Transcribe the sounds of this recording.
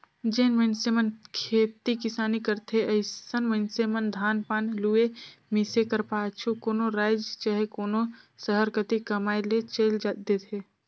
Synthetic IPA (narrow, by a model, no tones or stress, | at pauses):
d͡ʒeːnmənsemənkʰeːt̪ikɪsaːnikəɾt̪ʰeəɪsənmənsemənd̪ʱaːnpaːnluemisekəɾpaːt͡ʃʰukoːnoɾaːɪd͡ʒt͡ʃaːɦekoːnosəɦəɾkət̪ikəmaːjlet͡ʃəɪld͡ʒad̪et̪ʰeː